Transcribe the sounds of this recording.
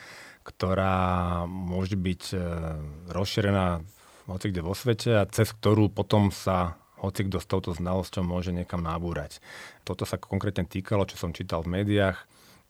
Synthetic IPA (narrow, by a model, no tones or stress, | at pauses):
kt̪ɔɾaːmʊɔʒɛbic | ɾɔsʃiɾɛnaː | ɦɔt͡siɡɟɛʋɔsʋɛcɛat͡sɛsk̚t̪ɔɾuːpɔt̪ɔmsa | hɔt͡siɡd̪ɔst̪ɔʊt̪ɔznalɔscɔʊmʊɔʒɛɲɛkamnabuːɾact̪ɔt̪ɔsakʰɔŋkɾɛːt̪ɲɛt̪iːkalɔt͡ʃɔ̥sɔmt͡ʃiːt̪alvmɛːd̪iax